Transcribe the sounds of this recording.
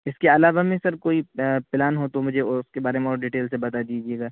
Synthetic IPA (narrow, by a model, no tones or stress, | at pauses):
ɪskeɐlaːʋamẽsɐɾkoːipɪlaːnɦot̪omʊd͡ʒʱeʊskebaːɾemẽɔːɾɖiːʈeːlsebɐt̪ad̪iːd͡ʒieːɡaː